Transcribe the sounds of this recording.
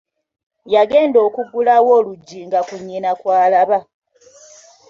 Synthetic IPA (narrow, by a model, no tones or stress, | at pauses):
jaɡe̞ːndo̞ːkuɡulawo̞ːluɟːiŋɡakuɲːinakwaːlaβa